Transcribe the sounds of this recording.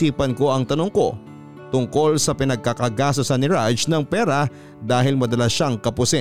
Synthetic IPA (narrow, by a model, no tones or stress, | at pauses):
iːpɐnko̞ɐŋt̪ɐnoŋko̞ | t̪ʊŋko̞lsɐpɪnɐɡ̚kakɐɡaːs̬osɐnɪɹad͡ʒnɐŋpɛːɾɐ | d̪aːɦɪlmɐd̪ɐlaʃaŋkɐpʊsɪ